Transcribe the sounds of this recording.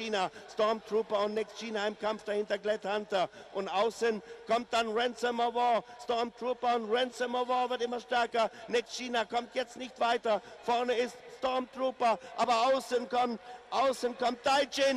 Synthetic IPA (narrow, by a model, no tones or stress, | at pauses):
iːnastɔɐmtʁ̥uːpɐʊntnɛkstʃiːnaɪmkʰamfd̥ahɪntɐɡlɛthantɐʔʊntʔaʊsənkʰɔmt̚d̥anʁɛnsɔməvɔstɔɐmtʁ̥uːpɐʊntʁɛnsɔməvɔːvɪɐtɪmɐʃtɛɐkɐnɛkstʃiːnakɔmtjɛt͡stnɪçtv̥aɪtɐfɔɐnəɪststɔɐmtʁuːpɐʔaːbɐaʊsənkʰɔmtʔaʊsənkʰɔmt̚d̥aɪd͡ʒɪn